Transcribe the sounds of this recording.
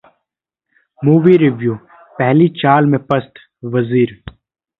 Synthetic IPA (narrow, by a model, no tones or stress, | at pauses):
muːʋiɾɪʋjuː | pɛɦlit͡ʃaːlmẽpɐst̪ | ʋɐziːɾ